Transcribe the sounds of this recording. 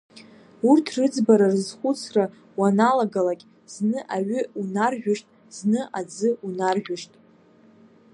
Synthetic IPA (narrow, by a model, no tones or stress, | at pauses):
urtʰrɨd͡zbaɾarɨzχʷʊt͡sʰra | wanaloɡalakʲʼ | z̥nɨʔaɥʏunarʒᶣʷʊʂtʼ | z̥nɨʔad͡zɨunarʒᶣʷaʂtʼ